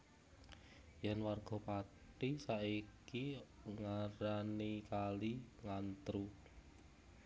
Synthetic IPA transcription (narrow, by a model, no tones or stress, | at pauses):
janwarɡ̥ɔ̤paʈisaikiŋaɾanikaliŋant̪ɾu